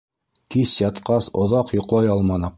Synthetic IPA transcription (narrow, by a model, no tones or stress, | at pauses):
kisjɑt̪qɑsŏðɑqjŏqlˠɑjɑlˠmɑnɤ